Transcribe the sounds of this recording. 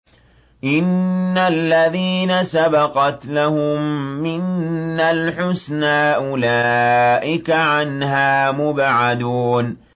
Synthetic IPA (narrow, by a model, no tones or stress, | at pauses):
ʔɪnːalːaðiːnasabɑqɑt̪lahʊmːɪnːalħʊsnaːʔʊlaːʔɪkaʕanɦaːmʊbʕad̪uːn